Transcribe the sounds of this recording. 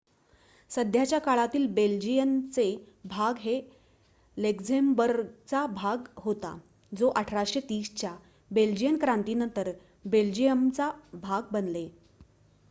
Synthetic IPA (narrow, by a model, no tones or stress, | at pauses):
səd̪ʱjat͡ɕjakaɭat̪iːlbeld͡ʑijənt͡se | bʱaɡɦe | lekd͡zembəɾt͡sabʱaɡɦot̪a̰ | d͡zoʔəʈʰɾaɕet̪iːst͡ɕja | beld͡ʑijənkɾant̪iːnənt̪əɾ | beld͡ʑijəmt͡sabʱaɡ̚bənle